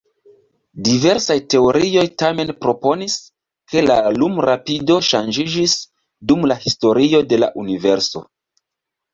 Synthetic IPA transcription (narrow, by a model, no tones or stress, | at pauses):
dive̞ɾsajte̞o̞ɾio̞jtame̞npɾo̞po̞nis | ke̞lalumɾapido̞ʃand͡ʒid͡ʒis | dumlahisto̞ɾio̞de̞la̰ʔunive̞ɾso̞̰